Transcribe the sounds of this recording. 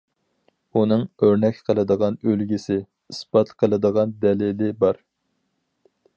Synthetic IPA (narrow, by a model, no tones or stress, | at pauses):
unɨŋøɾnɛkʲqʰəlˠɨd̪əʁɑnølɡʲisɪ | ɨsbɑt̪qʰəlˠɨd̪əʁɑnd̪ɛlɪlɪbɑɾ